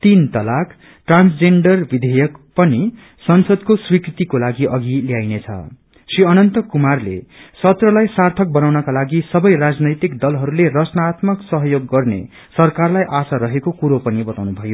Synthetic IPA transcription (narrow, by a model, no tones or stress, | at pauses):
t̪int̪ʌlak | ʈransd͡zeɳɖʌrbid̪ʱejʌkpʌni | sʌnsʌd̪koswikrit̪ikolaɡiʔʌɡilijajnet͡sʰʌ̰ | siʌnʌnt̪ʌkumarlḛsʌt̪rʌlajsart̪ʰʌk̚bʌnawnʌkalaɡisʌbʌjrad͡znʌjt̪ikd̪ʌlɦʌɾulerʌt͡snʌat̪mʌksʌɦʌjoɡːʌrnḛ | sʌrkarlajʔasaɾʌɦekokuɾopʌnibʌt̪awnubʱʌjo